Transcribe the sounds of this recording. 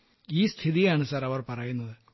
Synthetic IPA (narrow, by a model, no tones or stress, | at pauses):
iːst̪ʰiðijaːɳɨsɐɾɐʋɐrpɐrɐjunːɐðɨ